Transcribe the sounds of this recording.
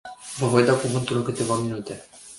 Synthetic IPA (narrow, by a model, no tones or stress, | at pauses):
vəɦojd̪akuvɨnt̪ulnkɨt̪evaminut̪e